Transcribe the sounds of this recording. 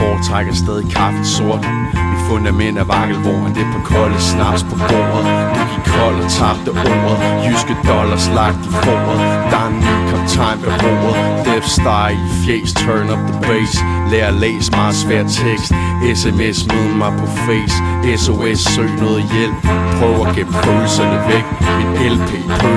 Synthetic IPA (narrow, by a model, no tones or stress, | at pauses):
b̥ɒ̰ːd̚t͡sʰʁɑaɡ̥ɐsd̥eð̞ˠikʰɑ̈fso̝ɐ̰d̥ | difɔnd̥æmen̰d̥æʋɑ̈ɡ̥ð̩ˠʋɒ̰ːænd̥epʰɒ̽kʰɒləsnɑ̈b̥spʰɒ̽b̥o̰ːɐð̩ˠd̥eɡ̥ikʰɒl̰t͡sʰɑ̈b̥̚d̥əʔɔ̰ːɐð̩ˠhysɡ̥əd̥ɒ̽lɐslɑ̈ɡ̥̚d̥ibo̰ːɐð̩ˠd̥ɑ̈ŋnikʰɒ̽mt͡sʰɑ̈ɪ̰mb̥əb̥o̰ːɐð̩ˠd̥efsd̥ɑ̈ɪifeːst͡sʰɜːnɒ̽b̥̚ðəbeɪs | leːɐlḛːsəmɑ̈ːð̩ˠsʋæɐ̰̥t͡sʰeɡ̥sd̥ | esemesmeðˠɐmɑ̈ɪpʰɒ̽feːs | eso̝esːø̰ːnɔːð̩ˠjel̰̥pʰʁœːʊæɡ̥eb̥fʰøːlsɐnəʋeɡ̥̚menelpʰḛː